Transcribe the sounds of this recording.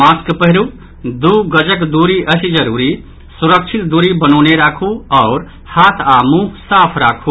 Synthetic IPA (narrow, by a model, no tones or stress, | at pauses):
maːskpəɦɪɾu | d̪uːɡəd͡ʒəkd̪uːɾiʔəsid͡ʒəɾuːɾi | suɾəkt͡ʃʰit̪̚d̪uːɾibənoːneɾaːkʰuɔʊɾ | haːt̪ʰaːmũsaːpʰɾaːkʰu